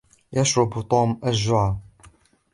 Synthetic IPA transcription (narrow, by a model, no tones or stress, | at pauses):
jaʃɾˤʊbt̪ˤuːmʔaʒːʊʕaː